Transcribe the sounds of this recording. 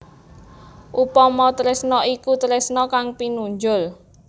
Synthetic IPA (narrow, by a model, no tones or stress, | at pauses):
ʔupɔmɔt̪əɾɪsnɔikut̪əɾɪsnɔkaŋpinuɲd͡ʒʊl